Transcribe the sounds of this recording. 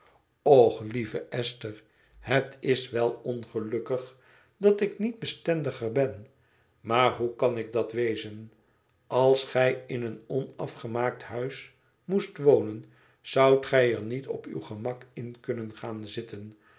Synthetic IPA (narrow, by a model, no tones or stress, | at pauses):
ɔχlivəʔɛstəɹ | hətʰɪsʋɛlˠɔnχəlɵkəχ | dɑtɪknid̚bəstɛndəχəɹbɛn | maːɹɦukɑnɪɡ̚dɑtʋejzən | ɑlˠsχɛjɪnənɔnɑfχəmaːk̚tɦœɥs | mustʋownən | z̥ɑwtχɛjəɹnitɔ̰py̰wχəmɑkɪnkɵnənχaːnzɪtən